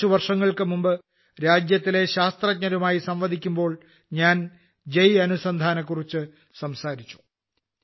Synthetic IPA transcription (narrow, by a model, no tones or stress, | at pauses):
uʋɐrʂɐŋːɐɭkɨmumbɨ | ɾaːd͡ʑjɐt̪ːile̞ɕaːst̪rɐk̚ɲɐɾumaːjisɐmʋɐd̪ʱikʲːumbo̞ːɭ | ɲaːn | d͡ʑejɐnusɐnd̪ʱaːnɐkːurit͡ɕːɨ | sɐmsaːɾit͡ɕːu̥